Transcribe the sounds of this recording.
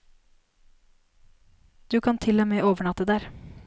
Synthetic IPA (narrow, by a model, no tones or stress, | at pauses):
d̪̥ʉːkʰɑnt̪ʰɪloːmeːʔoːʋəɳɑt̪əd̪æːɾ